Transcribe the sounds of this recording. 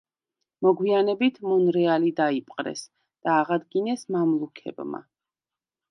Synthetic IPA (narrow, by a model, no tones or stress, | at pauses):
mɔɡwianɛbit̪ʰmunɾɛalid̪aipʼqʼɾɛ̰s | d̪̥aːʁad̪ɡinɛsmamlˠukʰɛ̰bma̰